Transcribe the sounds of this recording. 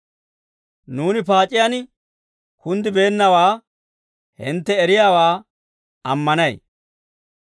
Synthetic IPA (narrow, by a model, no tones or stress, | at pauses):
nuːnɪpaːt͡ʃʼɪjanɪ | kʊnd̪ɪbeːnːɐwaː | hɪ̰nt̪ːɛɛɾɪjaːwaː | ɐmːɐnɐj